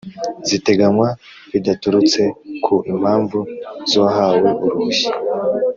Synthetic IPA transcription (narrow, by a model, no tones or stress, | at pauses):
zite̞ɡamwa | βidatuɾut͡se̞kʰuʔim̥haːɱvuzohaːwe̞βuɾuji̥